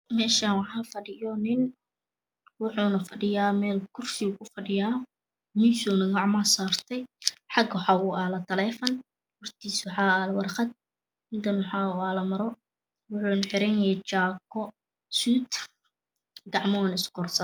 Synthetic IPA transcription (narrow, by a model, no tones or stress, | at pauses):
mɛːʃaːnwɑħɑːfɐɖɪjɔnɪn | wɑħuːnɐfɐɖɪjaːmɛːlkʰʊrsɪʊkʰʊfɐɖɪjaː | miːnsuːnɐɡɑʕmɐsaːrt̪ʰɛjħɑɡwħɑʊaːlɐt̪ʰɐlɛːfɐn | hɔrt̪ʰiːswɑħɑːaːlwɑrχɑd̪̚ | ɪnd̪ɐnwħɑːʊaːlɐmɐɾɔ | wʊħuːnħɪɾɛnɛt͡ʃaːkʰɔ | suːt̪ | ɡɑʕmɔwnɪsɡʰɔrsɐ